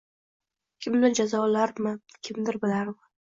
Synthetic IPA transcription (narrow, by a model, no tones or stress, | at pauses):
kʲʰɪmd̪ɪɾd͡ʒazɒlaɾmɪkʲʰɪmd̪ɪɾbɪlaɾmɪ